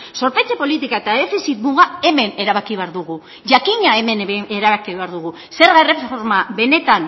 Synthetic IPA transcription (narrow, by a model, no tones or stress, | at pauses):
so̞ɾpejt͡sepo̞lit̪ikae̞t̪aðe̞fisit̪muɣae̞me̞ne̞ɾaβakiβeaɾðuɣu | ʝakiɲae̞me̞neɾaβakiβeaɾðuɣu | se̞ɾɣaere̞foɾmabe̞ne̞t̪an